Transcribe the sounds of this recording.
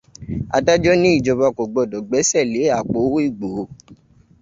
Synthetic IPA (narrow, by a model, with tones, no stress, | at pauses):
a̰˧da˦d͡ʒɔ˦nĩ˦i˦˨d͡ʒɔ˨˧ba˧ko˨ɡ͡bɔ˧˨dɔ˨ɡ͡bɛ˨˦sɛ˦˨le˨˦a˦˨k͡po˨˦wi˦˨ɡ͡bo˨˦